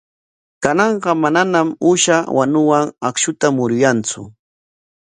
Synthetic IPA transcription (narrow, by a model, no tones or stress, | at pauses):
kanɑɴɢɑmananamʊʃawʔa̰nʊwaŋakʃʊt̪amʊɾʊjant͡sʊ̰